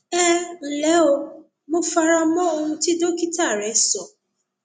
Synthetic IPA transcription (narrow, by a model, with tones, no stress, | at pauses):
ɛ˦n̩˨lɛ˨˦o˧ | mo˧fa˧ɾa˧mɔ̃˦o˧hũ˧ti˦do˦ki˦ta˦˨ɾɛ˨˦sɔ˨